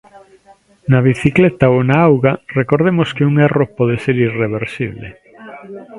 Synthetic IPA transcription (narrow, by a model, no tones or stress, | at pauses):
naβiθiklet̪aonaawɣarekoɾðemoskeuŋɛropɔð̞eseɾireβeɾsḭβlḛ